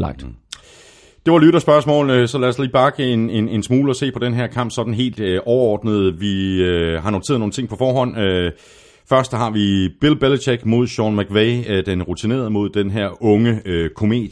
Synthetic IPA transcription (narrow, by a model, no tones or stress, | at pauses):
ɡ̥ | d̥e̝ʋɑ̈lyɾ̥ɐsb̥ɶɐsmɔ̰ːln̩sɒ̽læɐsliːb̥ɑ̈ɡ̥əe̝ne̝ne̝nsmuːləɒ̽se̝̰ːpʰɒ̽d̥enɦæɐ̰kʰɑ̈m̰b̥sɒ̽d̥n̩ɦe̝̰ːld̥ʔɒʊɐɒ̰ːd̥nəð̞̩ˠʋiɦɑ̈nont͡sʰe̝ð̩ˠo̝ːn̩t͡sʰe̝ŋ̰pʰɒ̽fɒːɦɒ̽n̰ø | fɶɐsd̥hɑ̈ʋib̥e̝lb̥elt͡sʰeɡ̥mo̝ð̞̰ˠɕɒːnmæɡ̥ʋeɪd̥enʁut͡sʰine̝̰ːɐð̩ˠmo̝ð̞ˠd̥enɦæɐ̰ɔ̽ŋəøkʰo̝me̝̰ːd̥